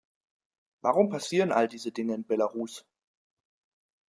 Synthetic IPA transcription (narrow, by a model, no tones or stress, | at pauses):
vaʁʊmpʰasiːʁənʔaldiːzədɪŋəɪnbɛlaʁuːs